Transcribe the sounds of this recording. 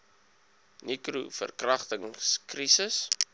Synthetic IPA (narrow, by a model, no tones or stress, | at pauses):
nikrufə̰rkrɐχtəŋskrisəs